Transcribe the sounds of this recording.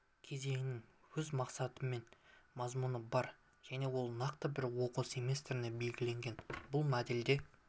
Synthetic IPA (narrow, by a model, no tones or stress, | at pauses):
kʲʰe̞ze̞ŋɪnɪŋwɵzmɑqsɑt̪əmːe̞nmɑzmunəbɑɾ | ʒ̥æne̞wo̞lˠnɑqt̪əbɪɾwo̞qusemʲest̪ɾɪne̞be̞lɡʲɪle̞ŋɡʲe̞nbʊlˠmæd̪eld̪e̞